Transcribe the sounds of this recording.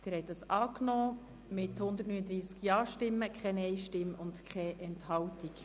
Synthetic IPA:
d̥ɪːɾhɛɪt̚d̥ɑsɑːknɔː | mɪthʊndətnyːnəd̪ɾiːskjɑːʃtɪmːəkʰχɛnɛɪʃtɪmʊndkʰɛʔɛnthɑwtik

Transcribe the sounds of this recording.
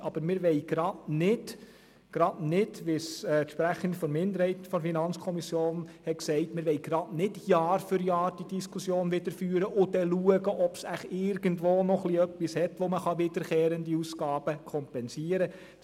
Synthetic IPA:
ɑb̥əɾmɪɾʋɛɪɡ̥ɾɑdnɪd̥ | ɡ̥ɾɑdnɪdʋɪsɛʃpɾæχənd̪fɔɾmɪnd̪əɾhɛɪtəfɔɾfinɑnt͡skʰɔmisjoːnhɛtksɛɪtmɪɾʋɛɪɡɾɑdnɪd̥jɑːɾfʏɾjɑːɾd̥id̥iskʰusjoːnʋɪd̥̪əɾfyːɾəʔʊdɛluəɡəʔɔpsæχɪɾɡəntʋoːnɔχliœpːishɛtʋoməχɑʋɪdəɾkʰɛːɾəndiusɡɑːb̥əkʰɔmpɛnsiəɾə

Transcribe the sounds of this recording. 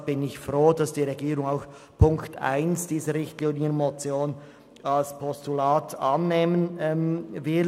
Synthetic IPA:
b̥ɪnɪçfʁoːdɑsd̥iːɾeɡiːɾʊŋaʊx | pʰʊŋktʰa̰ɪnsd̥iːzəɾɪçtliːnɪəənmot͡sjoːn | alspʰɔstulaːtɑ̰nːeːmənɛvɪ

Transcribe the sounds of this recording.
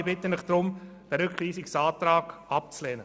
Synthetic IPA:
bɪtənɪχd̥ɾʊm | d̥ɛɾʏkʰliːsɪksɑːt̪ɾaːɡ̥ɑp̚t͡slɛːnə

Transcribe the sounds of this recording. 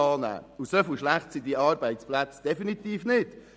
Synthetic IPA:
ɑːnæ̰ːusœfuʃlæχtsid̪iɑːɾbɛɪtsplæt͡sd̥ɛfinit̪iːfnɪd̥

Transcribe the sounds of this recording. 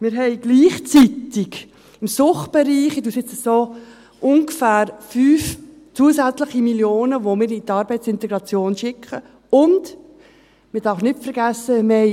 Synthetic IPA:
mɪːɾɦɛɪɡ̥liːχt͡sit̪ɪɡ | ɪmsʊχtb̥ɛɾiːχiduːsɪt͡səsoː | ʔʊŋɡəfæːɾfyːf | t͡suəsæt͡slɪχimiljoːnəʋomɪːɾit̪ɑːɾbɛɪtt͡sɪnt̪ɛɡɾɑt͡sjoːnʃɪkχə | ʊnd | mɪɾd̥ɑːfnɪtfəɾɡæsːəme

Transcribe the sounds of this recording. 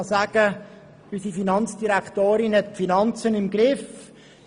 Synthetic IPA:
saːɡ̥ə | ysifinɑnt͡sd̥iɾæktoːɾɪnhɛtfinɑnt͡sənɪmɡɾɪf

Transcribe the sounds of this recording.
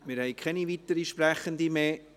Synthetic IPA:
mɪːɾhɛɪkʰɛnivitəɾiʃpɾɛχəndimeː

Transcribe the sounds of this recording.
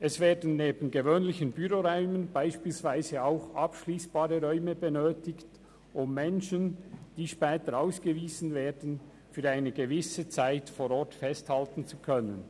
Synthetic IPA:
ʔɛsveːdn̩ːeːbən̩ɡevøːnlɪçənbyɾoʁɔʏmənb̥aɪʃpiːlsv̥aɪzəaʊxapʃliːsb̥aːɾəʁœʏməbənøːtɪkt | ʔʊmːɛnʃənd̥iːʃpɛːtəɾaʊsɡ̥əviːzn̩veːdən̩ | fyːɾaɪnəɡəvɪsət͡saɪtfoːɾɔtfɛsthaltn̩t͡sukʰœnən

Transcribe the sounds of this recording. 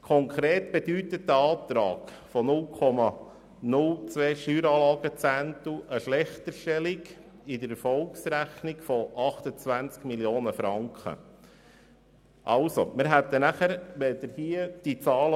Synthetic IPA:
kʰɔŋkʰɾeːt̪b̥ed̪yt̪ətːəɑːt̪ɾɑ̰ːk | fɔnʊlkʰɔmɑ | nʊlt͡sʋeːʃyːɾɑːlɑːɡ̥ət͡sænt̪uʔəʃlɛχt̪əɾʃtɛliɡ | ɪd̪əɾɛɾfɔlksɾæχnikfɔʔɑχt̪ət͡sʋænt͡skmiljoːnəfɾɑŋkχə̰ | ʔɑʊso̰mɪɾɦæt̪ːənæχəɾʋɛd̪əɾhiəd̥it͡sɑːlə

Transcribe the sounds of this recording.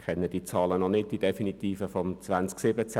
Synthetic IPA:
kʰɛnːəd̥it͡sɑːlənɔnɪddid̥efinit̪iːfəfɔmt͡svant͡sksɪbət͡s

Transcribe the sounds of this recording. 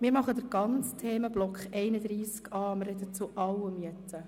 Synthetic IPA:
mɪːɾmɑχəd̪əɾɡ̥ɑnt͡st̪ʰeːməblɔkχɛɪnəd̪ɾiːskɑːmɪrɛd̪ət͡suʔɑwːəmyətʰə

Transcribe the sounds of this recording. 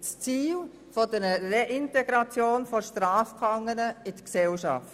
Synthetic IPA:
st͡siːl | fodəɾəreʔɪntɛɡ̥ɾɑt͡sjoːnfoʃtɾaːfkʰɑŋənəɪd̥əksɛlʃɑ̰ft

